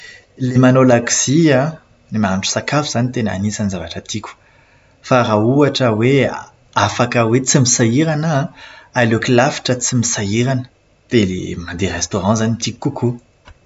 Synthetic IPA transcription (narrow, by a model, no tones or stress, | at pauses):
lemanolaksiã | lemanʈ͡ʂu̥sakafuz̥anit̪ena̰nisanizavaʈ͡ʂət̪ʰikʲu̥ | faɾauaʈ͡ʂəwe | afakəwet͡simisaiɾanəː | lokilafi̥ʈ͡ʂət͡simisaiɾanə̥ | d̪̥elḛmad̪eɾest̪oʁɑ̃zanit̪ikkukʰu